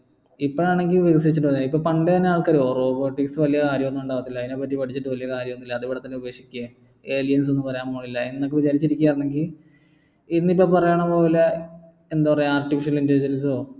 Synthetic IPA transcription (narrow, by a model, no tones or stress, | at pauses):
ipːoɭaːɳe̞ŋɡilubeɣɐs̬ɐɾit͡ɕːuʈːɨʋɐnːaipːoːpɐɳɖet̪ɐnːeaːɭkɐɾoːroːkoːʈːiksɨʋɐlijɐkaːɾjɐmonːuɳɖaːʋɐt̪ːilːɐðineːp̬ːɐʈːipɐʈʰit͡ɕːiʈːɨʋɐlijɐkaːɾjɐmonːilːɐːðiʋiɽɐt̪ːɐnːeube̞ːkʂi̥kʲːua | eːlijɐns̬o̞nːɨpɐrɐjaːmŋoːɭilːɐinːokːeʋit͡ɕaːɾit͡ɕːiɾikʲuːjaːrnːeŋɡil | inːip̬ːoːpɐrɐjaːɳɐmoːilːɐ | end̪apɐrɐjaːrʈːifiʂɐnɐlindɐɾid͡ʑɾɐnso̞ː